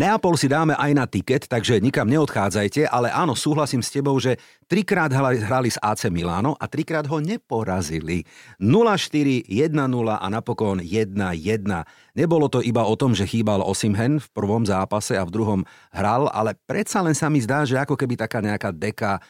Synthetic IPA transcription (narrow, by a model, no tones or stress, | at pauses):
nɛapɔlsid̪aːmɛʔajnat̪ikɛt̪ːaɡʒɛɲikamɲɛɔt̪xaːd͡zajcɛʔalɛʔaːnɔsuːɦlasiːmscɛbɔʊʒɛ | t̪ɾikɾaːd̪ɦaiɦɾalizaːt͡sɛmila̰ːnɔʔat̪ɾikɾaːd̪ɦɔɲɛpɔɾazilinulaʃt̪iɾijɛd̪̚nanulaʔa̰napɔkɔnjɛd̪̚najɛd̪na | ɲɛbɔlɔt̪ɔʔibaɔt̪ɔmʒɛxiːbalɔ̰simɦɛnfpr̩ʋɔmzaːpasɛavd̪ɾuɦɔm | ɦɾala̰lɛpɾɛt̪salɛnsamizd̪aːʒɛakɔkɛbit̪akaːɲɛakaːd̪ɛka